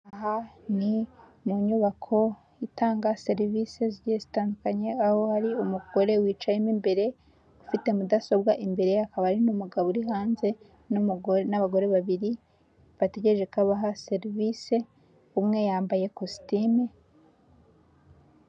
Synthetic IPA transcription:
aɦani | nuɲuβakʰo̞ | itaːŋɡase̞ɾivise̞ziɟezitaːndukaɲe̞aho̞haɾiumuɡ̥o̞ɾe̞wiːt͡ʃajemimbe̞ɾe̞ | ufite̞mudaso̞bɡaʔimbe̞ɾe̞akaβaɾinumuɡaβoɾiɦaːnze̞ | nnaβaɡo̞ɾe̞βaβiɾi | βate̞ɟeʒekaβaɦase̞ɾvise̞ | umŋe̞jaːmbaje̞kosi̥time

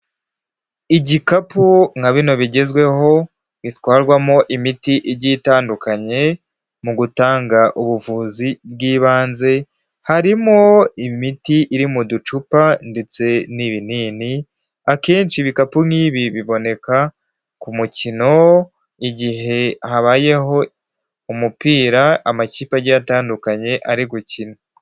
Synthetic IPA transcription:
iɟikapuŋ̥haβino̞βiɟe̞zɡwe̞ho̞ | βitwaːɾɡwamo̞ʔimitiʔiɾɟitaːndukaɲe̞ | muɡutaːŋɡaʔuβuvuːzib̚ɡiːβaːnze̞ | haɾimo̞imitiʔiɾimudut͡ʃupande̞t͡se̞niβiniːni | akeːnt͡ʃiβikapuiːβiβiβo̞ne̞ka | kumucino̞ | iɟiɦe̞haβaːje̞ɦo̞ | umupiːɾaamaciːpaɾɟataːndukaɲe̞ʔaɾiɡucino

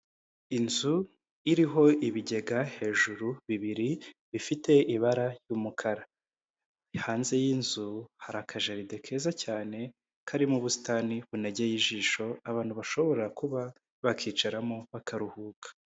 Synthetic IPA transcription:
inzu | iɾiɦo̞iβiɟe̞ɡahe̞ːʒuɾuβiβiɾiβifite̞iβaɾajuːmukʰaɾa | haːnze̞jinzuhaɾakʰaʒeɾide̞kʰe̞ːzacaːne̞ | kʰaɾimuβusi̥taniβuneɟe̞jiʒiːʃo̞aβaːnhuβaʃo̞βo̞ɾakuβa | βakʰiːt͡ʃaɾamo̞βakʰaɾuhuːkʰḁ

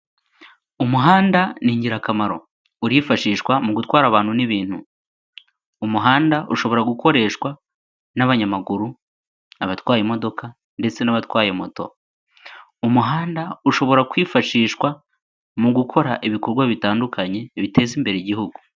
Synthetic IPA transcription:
umuɦaːndaniːɲɟiɾakamaɾo̞̰ | uɾifaʃiːʃwamuɡutwaːɾaβaːn̥huniβiːn̥hu | umuɦaːndaʔuʃo̞βo̞ɾaɡuko̞ɾe̞ːʃkwa | naβaɲamaɡuɾu | aβatwaːjemo̞do̞ka | nde̞t͡se̞naβatwaːje̞mo̞to̞̰ | umuɦaːndauʃo̞βo̞ɾakwiːfaʃiːʃwa | muɡukʰo̞ɾaʔiβiko̞ɾɡwaβitaːndukʰaɲe̞βite̞zimbe̞ɾeɟihuɡu

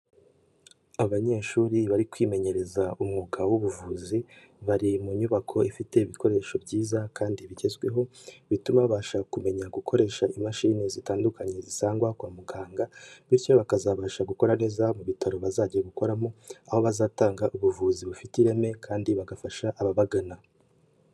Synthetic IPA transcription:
aβaɲe̞ːʃuːɾiβaɾikwiːme̞ɲe̞ɾe̞zaumŋuːkawuβuvuːzi | βaɾimuɲuβakʰo̞ifite̞iβikʰo̞ɾe̞ːʃo̞bɟiːzakʰaːndiβiɟe̞zɡwe̞ɦo̞βitumaβaːʃakume̞ɲaɡukʰo̞ɾe̞ːʃaʔimaʃinezitaːndukʰaɲe̞zisaːŋɡwakwaːmuɡaːŋɡaβiɾco̞βakazaβaːʃaɡuko̞ɾane̞ːzamuβitaɾo̞βazaːɟijeɡuko̞ɾamoaho̞βazaːtaːŋɡaʔuβuvuːziβufitiɾe̞me̞kʰaːndiβaɡafaʃaʔaβaβaɡana

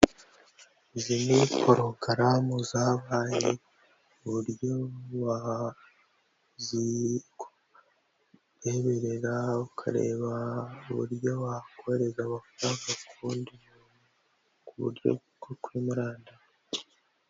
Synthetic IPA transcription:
zinikʰoɾoɡaɾamuzaːβaːje | uβuɾjoβa | zik | ɾeβe̞ɾeɾaβukʰa̰ɾe̞̰ːβauβṵɾjo̞βakʰoheɾe̞zaβaku̥taɡakʰuːndimu | kuβṵɾjo̰ukoɾkwimuɾaːnda

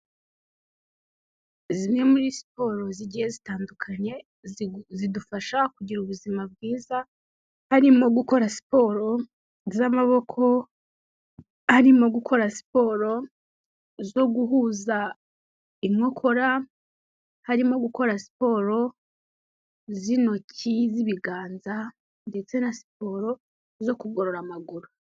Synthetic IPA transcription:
zine̞muɾisi̥po̞ɾo̞ziɟije̞zitaːndukʰaɲe̞ | zidufaʃakuɟiɾuβuzimab̚ɡiːza | haɾimo̞ɡuko̞ɾasi̥po̞ɾo̞ | zamaβo̞kʰo̞ | haɾimo̞ɡukʰo̞ɾasi̥po̞ɾo̞ | zo̞ɡuɦuːza | imŋokʰo̞ɾa | haɾimo̞ɡuko̞ɾasi̥po̞ɾo̞ | zino̞ciziβiɡaːnza | nde̞t͡se̞nasi̥po̞ːɾo | zo̞kuɡoɾo̞ɾamaɡuɾu

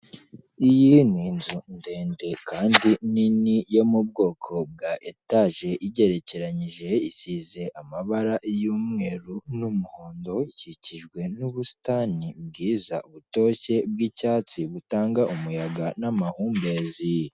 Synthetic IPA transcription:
ijinwiːnzunde̞ːnde̞kʰaːndininijo̞mub̚ɡo̞ːkʰo̞b̚ɡaʔetaʒe̞ʔiɟe̞ɾe̞ce̞ɾaɲiʒe̞isize̞ʔamaβaɾaʔjuːmŋe̞ːɾunumuhoːndo̞iciciʒɡwe̞nuβusi̥tanib̚ɡiːzauβuto̞ːce̞b̚ɡicaːt͡siβutaːŋɡaʔumujaɡanamahuːmbe̞zi

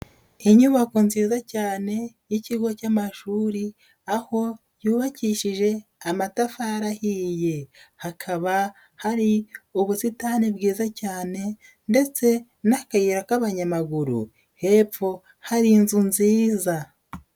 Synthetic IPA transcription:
iɲuβako̞nziːzacaːne̞jiciɡo̞camaʃuːɾi | aho̞ | juːβaciːʃiʒe̞amatafaɾahije̞hakʰaβa | haɾiuβusitanibɡiːzacaːne̞ | nde̞t͡se̞ | nakajiɾakaβaɲamaɡuɾṵ | he̞ːp͡fo̞ | haɾinzunziːza

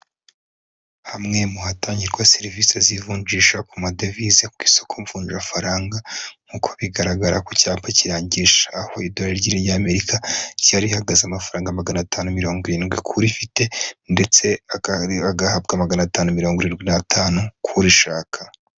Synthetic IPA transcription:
hamŋe̞muhatʰaːɲɟiɾɡwaseɾivisezivuːnd͡ʒiʃakumadevizekuɡiso̞̥kʰoɱfuːnʒafaɾaːŋɡam̥ukʰoβiɡaɾaɡaɾakocaːpaciɾaːɲɟiʃaːhoidoeɾɟiɾejaːme̞ɾikacaɾihaɡazeamafaɾaːŋɡamaɡanatʰaːnomiɾo̞ːŋɡiɾiːnɡwikʰuɾifite̞nde̞t͡se̞aaɡahab̚ɡamaɡanataːnumiɾoːŋɡoɾiːnɡwinatʰaːnukʰuɾiʃaːkʰḁ

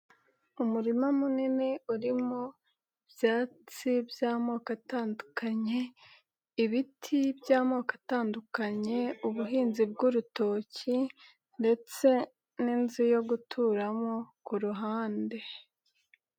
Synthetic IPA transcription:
umuɾimamunineuɾimo | bjaːt͡sibjaːmo̞ːkataːndukaɲe̞ | iβitʰibjaːmo̞ːkḁtaːndukaɲe̞uβuɦiːnzib̚ɡuɾuto̞ci | nde̞t͡se̞ | ninzijo̞ɡutʰuːɾamo̞kuɾuɦaːnde̞

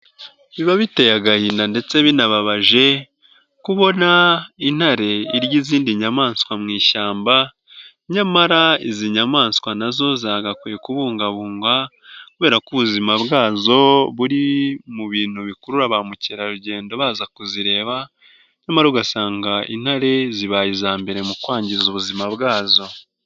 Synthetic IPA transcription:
βiβaβite̞jaɡahiːndande̞t͡se̞βinaβaβaʒe̞ | kuβo̞nain̥haɾe̞iɾɟiziːndiɲamaːnskwamŋiːʃaːmba | ɲamaɾaiziɲamaːnskwanazo̞zaːɡakwijekuβuːŋɡaβuːŋɡwa | kuβe̞ːɾakuβuzimaβɡaːzo̞βuɾimuβiːn̥huβikuɾuɾaβamuciɾaɾuɟe̞ːndo̞βaːzakuziɾe̞ːβa | ɲamaɾauɡasaːŋɡaḭn̥haɾe̞ziβajizaːmbe̞ɾe̞mukwaːɲɟiɾizuβuzimaβɡaːzo̞

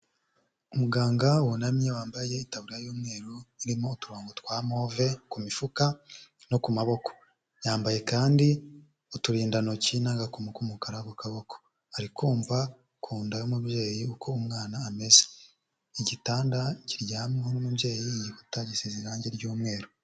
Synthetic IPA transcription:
umuɡaːŋɡauwonamɲewaːmbaje̞itaβuɾijajuːmŋe̞ːɾoiɾimo̞utuɾoːŋɡotkwaːmo̞ve̞kumifuka | no̞kumaβo̞ko̥ | jaːmbaje̞kaːndi | utuɾiːndano̞cinaŋɡakumukumukaɾakokaβo̞ko̥ | haɾikuːmva | kʰuːndajomubje̞ːjiukʰo̞umŋaːnaːmeze̥ | iɟitaːndaciɾɟaːmhoɾumubje̞ːjiːjihutaɟiseziɾaɲɟeɾɟuːmŋe̞ːɾo

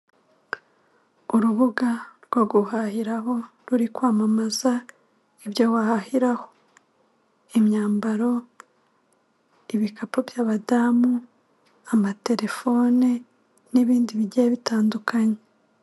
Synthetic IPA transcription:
uɾuβuɡaɾɡoɡuhahiɾaɦo̞ | ɾuɾikwaːmamaza | ibjowahahiɾaho | imɲaːmbaɾo̞ | iβikapobjaːβadamu | amate̞ɾe̞fo̞ːne | niβiːndiβiɟeeβitaːndukʰaɲe

